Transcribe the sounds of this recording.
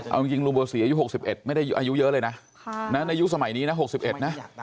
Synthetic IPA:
ʔa̰˧wt͡ɕi˧ŋt͡ɕi˧ŋluː˧bɤː˨˧si˨˩˦aː˧ju˦˥ho˨˩k̚si˨˩pʔe˨˩t̪̚ma˥˩jda˥˩jʔaː˧ju˦˥jɤ˦˥lɤː˧jna˦˥ʔ | na˦˥na˧ju˦˥ʔsa˧ma˨˩˦jniː˦˥na˦˥ɦo˨˩k̚si˨˩p̚ʔe˨˩t̪̚na˦˥ʔ

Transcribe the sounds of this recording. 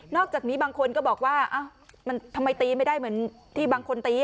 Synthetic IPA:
nɔː˥˩k̚t͡ɕaː˨˩k̚niː˦˥baː˧ŋkʰo˧nkɔː˥˩bɔː˨˩k̚waː˥˩ʔa˧˩ma˧nt̪ʰa˧mːa˧jt̪iː˧ma˥˩jdaː˥˩jmɯ˩˦ən | t̪ʰiː˥˩baː˧ŋkʰo˧nt̪iː˧

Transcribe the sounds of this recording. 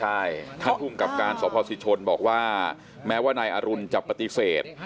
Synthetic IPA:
t͡ɕʰa˥˩jt̪ʰa˥˩t̪ʰuː˨˩ŋka˨˩p̚kaː˧nsɔː˩˦pʰɔː˧si˧˥t͡ɕʰo˧nbɔː˨˩k̚waː˥˩ | mɛː˦˥waː˥˩naː˧jʔaː˧ɾu˧nt͡ɕa˨˩pːa˧t̪i˧˩seː˨˩t̪̚

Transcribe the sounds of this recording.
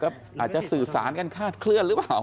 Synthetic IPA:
kɔː˥˩ | ʔaː˨˩t̪̚t͡ɕa˨˩sɯː˨˩sa̰ː˩˦nka˧nkʰaː˥˩t̪̚kʰlɯ˥˩ənɾɯ˦˥aː˨˩w

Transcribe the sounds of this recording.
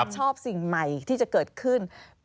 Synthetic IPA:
p̚t͡ɕʰɔː˥˩p̚si˨˩ŋma˨˩jt̪ʰiː˥˩t͡ɕa˨˩kɤː˨˩t̪̚kʰɯ˥˩n

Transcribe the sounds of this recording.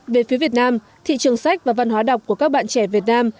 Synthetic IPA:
ve˨˩fi˨˦əvi˨˩ət̚naː˧m | t̪ʰḭ˧˨t͡ɕɨ˨˩əŋsa˦˥jk̟̚vaː˨˩va˧nɦwaː˨˦ɗa˨˩wk͡p̚ku˧˩əkaː˦˥k̚ɓa̰ː˧˨t͡ɕɛ˧˩vi˨˩ət̚naː˧m

